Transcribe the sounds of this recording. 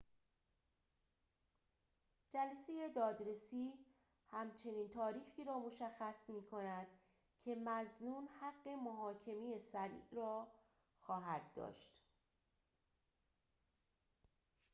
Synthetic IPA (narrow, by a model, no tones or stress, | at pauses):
d͡ʒælæse̞je̞d̪ɒːd̪ɾe̞siː | hæmt͡ʃʰe̞niːnt̪ʰɒːɾiːxiːɾɒːmo̞ʃæxːæsmiːkʰo̞næd̪̥ | cʰe̞mæznuːnhæɢːe̞moɦɒːcʰe̞mijesæɾḭːʔrɒː | xɒːɦæd̪̚ːɒ̰ːʃt̪